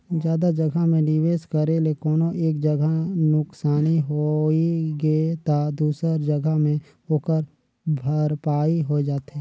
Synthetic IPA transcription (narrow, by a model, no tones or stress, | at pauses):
d͡ʒjaːd̪ad͡ʒəɡʱamẽɖiʋeːskəɾelekɔːnoʔeːkd͡ʒəɡʱanʊksaːniɦoiɡeːt̪ad̪uːsəɾd͡ʒəɡʱamẽ | oːkəɾ | bʱəɾpaːiɦod͡ʒaːt̪ɛː